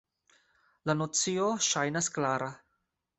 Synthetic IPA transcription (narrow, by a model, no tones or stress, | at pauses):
lanot͡sioʃajnasklaɾa